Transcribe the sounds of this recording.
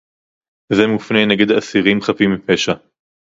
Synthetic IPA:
zemufneneɡed̪aːsiʁimχapimːipeʃa

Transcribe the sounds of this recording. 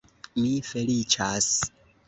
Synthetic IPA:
mifelit͡ʃas

